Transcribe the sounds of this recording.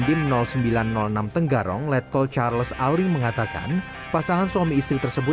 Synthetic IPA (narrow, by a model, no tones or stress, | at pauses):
dimənɔlsəmbilanːɔlnamt̪əŋɡaɾɔ̰ŋlɛt̪̚kɔlt͡ʃarləsalɪŋməŋat̪aka̰n | pasaŋanswamiːst̪ɾit̪ərsəbʊ